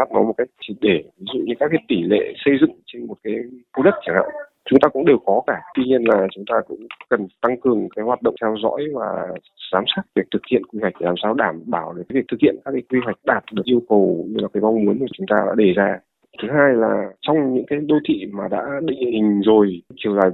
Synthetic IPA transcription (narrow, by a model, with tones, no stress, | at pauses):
aː˦˥t̚nɔ˨˦mo˨˩t̚ka˦˥jk̚t͡ɕi˧˩ɗe˧˩vi˨˦zṵ˧˨ɲɨ̰˧˥kaː˦˥kːa˦t̪i˧˩lḛ˧˨sə˧jzɨ̰˧˨ŋt͡ɕe˧nmo˨˩t̚kaː˨˦jku˧ɗə˦˥t̚t͡ɕʰi˧˩nha̰˧˨w | t͡ɕʊ˨˦ŋ͡mt̪aː˧kʊ̰˧˥ŋ͡mɗe˨˩wkɔ˨˦kaː˧˩t̪wi˧ɲi˧ənlaː˨˩t͡ɕʊ˨˦ŋ͡mt̪aː˧kʊ̰˧˥ŋ͡mkə˨˩nt̪a˧ŋkɨ˨˩əŋkaː˨˦jɦwaː˨˩t̚ɗə̰˧˨ŋ͡mt̪ʰɛ˧wzɔ̰˧˥jvaː˨˩ | zaː˨˦msaː˦˥kt̚vi˨˩ək̚t̪ʰɨ˨˩k̚hḭ˧˨ənkwi˧hwa˨˩k̚laː˨˩msaː˧wɗaː˧˩mɓaː˧˩wɗe˨ka˨˦vi˨˩k̚t̪ɨ˨˩k̚hḭ˧˨ənkaː˦˥kːaː˨˦jkwi˧ɦwa˨˩jk̟̚ɗaː˨˩t̚ɗɨ˨˩ək̚ʔi˧əwkə˨˩wɲɨ˧laː˨˩kaː˨˦jma˧wŋ͡mmu˨˦ənmaː˨˩t͡ɕʊ˨˦ŋ͡mt̪aː˧ɗa̰ː˧˥ɗe˨˩zaː˧ | t̪ʰɨ˨˦ɦaː˧jlaː˨˩t͡ɕɔ˧wŋ͡mɲɨ̰˧˥ŋkaː˨˦jɗo˧t̪ʰḭ˧˨maː˨˩ɗa̰ː˧˥ɗḭ̈˧˨ŋ̟hï˨˩ŋ̟zo˨˩jt͡ɕi˨˧˩əwzaː˨˩j